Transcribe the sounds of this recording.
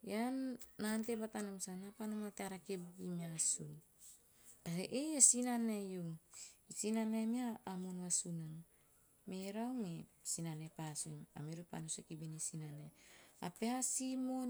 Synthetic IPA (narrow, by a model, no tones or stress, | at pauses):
janːant̪ebat̪anamsanapanamat̪eaɾakebɡimiasun | taeʔeasinanejuŋisinanemiaːmonwasunan | meɾawme | sinanepasuŋa̰miɾupa̰nusekibenisinanea̰peasimon